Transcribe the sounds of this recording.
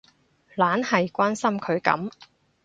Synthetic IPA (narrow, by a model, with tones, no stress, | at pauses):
laː˨˥nhɐ˨jkʷaː˥nsɐ˥mkʰɵ˨˧ɥkɐ̰˨˥m